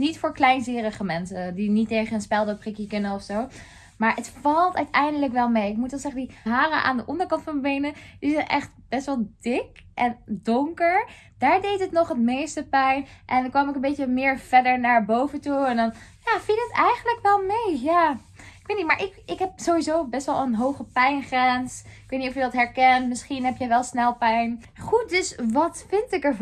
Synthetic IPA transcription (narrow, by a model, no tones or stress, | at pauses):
nitfʊːɹklɛjnzɪːrəχəmɛnsədinitːejχənənspɛlˠdəprɪkjəkɵnəɔfsow | maːɹətfɑlˠtœ̰ɥtɛjndələkʋɛlˠmejɪk̚mutʋɛlˠsɛχəndiɦaːrəʔa̰ːndəʔɔndəɹkɑntfɑnəbejnəd̥izɛjnʔɛ̰χtb̥ɛstʋɛlˠd̥ɪkʔɛndʊŋkəɹ | d̥aːɹdejtɦətnɔχɦətmejstəpɛjnʔɛnkʋɑmɪkənmbejtəmɪːɹv̥ɛɹdəɹnaːɹbowvəntuɛndɑnjaːfilˠətɛjχənləkʋɛlˠmejjaː | ɪkʋejtnitmaːɹʔɪkɪkɦɛp̚zowʋizowbɛstʋɛlˠənɦowχəpɛjnχrɛnsɪkʋejtnitɔfjədɑtɦɛɹkɛntmɪsχinɦɛpjəjʋɛlˠsnɛlˠpɛjn | χut̚dɵsʋɑtfɪntɪkəɹ